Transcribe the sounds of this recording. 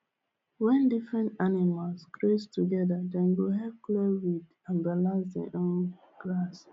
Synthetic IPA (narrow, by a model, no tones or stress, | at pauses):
wɛ̃ndifɹɛ̃ntanimalsɡɹestuɡɛdadɛ̃nɡoɦɛpklɛwid | ãnbalazdɛ̰ʔõn | ɡ̥ɹas